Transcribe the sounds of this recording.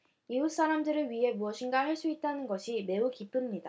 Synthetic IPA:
ius͈aɾamdɯɾɯɭɥiɦe̞muʌɕʰinɡaɦaɭs͈uit̚t͈anɯnɡʌɕʰime̞ukip͈ɯmɲida

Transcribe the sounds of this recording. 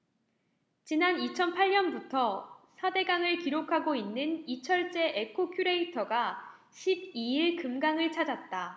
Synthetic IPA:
t͡ɕinanit͡ɕʰʌnpʰaɭɲʌnbutʰʌsʰade̞ɡaŋɯɭkiɾokʰaɡoinːɯnit͡ɕʰʌɭt͡ɕ͈e̞ʔekʰokʰjuɾe̞itʰʌɡa | ɕʰib̚iiɭkɯmɡaŋɯɭt͡ɕʰad͡ʑat̚t͈a

